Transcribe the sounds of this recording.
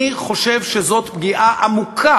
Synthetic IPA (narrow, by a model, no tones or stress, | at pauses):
iχo̞ʃevʃezo̞t̪b̚ɡiʔaʔamukʰa